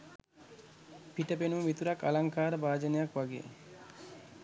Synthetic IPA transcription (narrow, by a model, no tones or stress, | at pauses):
piʈepenumit̪uɾaka̰laŋkaɾbaːd͡ʑenejakwaɡiḛ